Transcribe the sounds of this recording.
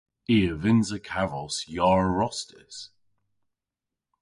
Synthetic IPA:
iːəvɪnzəkʰavɔsjɔɹəɹɔstɪ̰s

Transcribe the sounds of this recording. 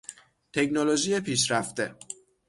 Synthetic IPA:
t̪ʰe̞cnolod͡ʒiːjepʰiːʃɾæft̪e̞

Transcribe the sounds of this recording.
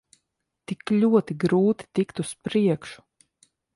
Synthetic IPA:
t̪iklʲuɔt̪iɡɾuːt̪i̥t̪ikt̪uspɾiɛkʃu̥

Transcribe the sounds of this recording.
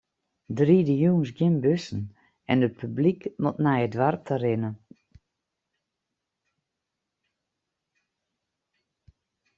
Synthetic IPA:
dridəjuːns̬ɡjɪmbøsən̩ | ɛndəpʰyblikmɔtnajədʋartʰərɪnə

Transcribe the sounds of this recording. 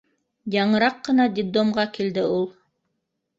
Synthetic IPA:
jɑɴɤ̆ɾɑqːɤ̆nɑd̪ʲɪd̪omʁɑkild̪ɘulˠ

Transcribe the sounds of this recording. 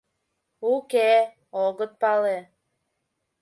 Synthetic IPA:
uke | oɣə̆t̪̚pɑle

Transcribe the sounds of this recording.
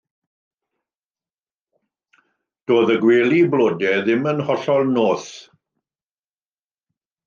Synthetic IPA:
d̥oːðəɡweːlˠiblˠoːdɛðɪmənhɔɬɔlˠnoːθ

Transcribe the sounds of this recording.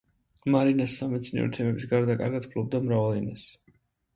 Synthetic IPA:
maɾinasːamɛt̪sʰnḭɔ̰ɾt̪ʰɛmɛbisɡaɾd̪akʼa̰ɾɡad̪pʰlˠɔb̚d̪amɾavalinas

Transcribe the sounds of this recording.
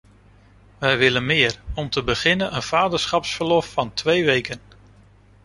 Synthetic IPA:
ʋɛjʋɪlənmɪːɹɔmtəbəχɪnənənv̥aːdəɹsχɑpsfəɹlɔfːɑntʋejʋejkən

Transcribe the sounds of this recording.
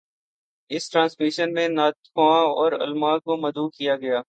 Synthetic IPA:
ɪsʈɾãːnsmɪʃənmẽnaːt̪kãɔːɾʊ̰lmãːkomɐd̪uːkijaɡɐjaː

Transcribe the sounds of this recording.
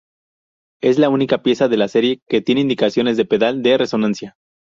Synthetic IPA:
e̞zlaunikapje̞saðe̞lase̞ɾje̞ke̞t̪je̞neind̪ikasjo̞ne̞zðe̞pe̞ðald̪e̞re̞so̞nansja

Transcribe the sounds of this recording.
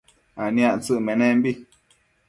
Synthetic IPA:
anĩãʔt͡sɨʔmẽnẽmbi

